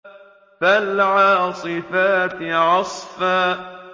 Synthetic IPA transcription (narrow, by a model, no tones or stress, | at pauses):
falʕaːsˤɨfaːt̪ʕɑsˤfaː